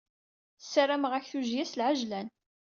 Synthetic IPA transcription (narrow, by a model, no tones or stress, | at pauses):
θsːaɾaməʁæçθuʒjæslʕaʒlæn